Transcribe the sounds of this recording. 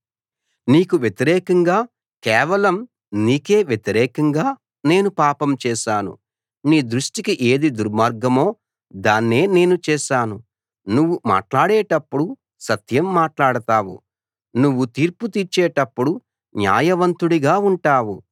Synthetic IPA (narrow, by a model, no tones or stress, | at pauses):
niːkuʋjet̪iɾɛːkɐŋɡaː | kɛːʋɐlɐm | niːke̞ːʋjet̪iɾɛːkɐŋɡaː | ne̞ːnupaːpɐmt͡ʃɛːʃaːnṵ | niːd̪ɾuʂʈikiʔe̞ːd̪id̪uɾmaːɾɡɐmo̞ː | d̪aːnːe̞ːne̞ːnut͡ʃɛːʃaːnu | nuʋːuma̰ːʈlaːɽeːʈɐpːuɽu | sɐt̪jɐmːaːʈlaːɽɐt̪aːwṵ | nuʋːut̪iːɾput̪iɾt͡ʃːɛːʈɐpːuɽu | nja̰ːjɐʋɐnt̪uɽiɡaːuɳʈaːwu